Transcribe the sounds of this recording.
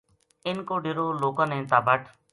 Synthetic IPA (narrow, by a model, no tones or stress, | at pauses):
ɪnkoːɖɪɾoːloːkãnẽːt̪aːbʱəʈʰ